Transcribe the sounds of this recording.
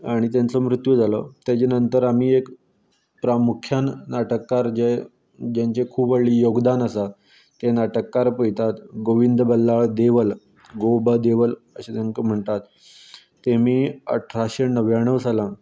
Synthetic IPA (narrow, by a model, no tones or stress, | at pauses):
aɽ̃it̪jant͡somɾut̪jud͡zalot̪jat͡ɕenənt̪əɾamiːek | pɾamukʰjannaʈəkːaɾd͡ʑe | d͡ʑaɲt͡ɕekʰuːbəɭɭiːjoɡd̪anəsa | t̪enaʈəkːaɾpəit̪at̪ɡoʋind̪bəlːaɭd̪eʋəl | ɡobəd̪eʋələɕet̪jaŋkəm̤əɳt̪at̪ː | emiːə̰ʈʰɾaɕenəʋjaɳəʋsalã